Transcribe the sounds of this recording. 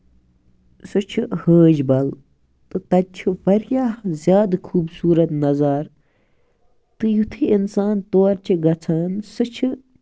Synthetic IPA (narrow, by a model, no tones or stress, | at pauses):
sɨt͡ʃʰuhəːd͡ʒbɐl | t̪ɨt̪ɐupɐɾjaːhzjaːd̪kʰuːbsuːɾɐt̪nɐzaːɾ | t̪ɨjut̪ʰiinsaːnt̪oːɾt͡ʃiɡɐt͡sʰaːnsɨt͡ʃʰɨ